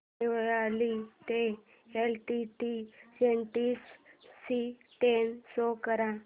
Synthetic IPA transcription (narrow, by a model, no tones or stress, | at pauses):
eʋalit̪e | elʈiʈid͡ʑenʈisː | it̪ensokəɾã